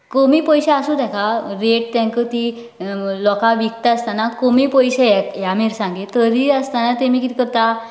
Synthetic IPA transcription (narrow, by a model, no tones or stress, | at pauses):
komiːpəjɕaasut̪ɛkaɾeʈ̚t̪ãŋkət̪i | lɔkaʋik̚t̪aəst̪anakomiːpəjɕeɛjamiɾsãŋɡet̪əɾiːəst̪anat̪emiːkit̪i̥kəɾt̪a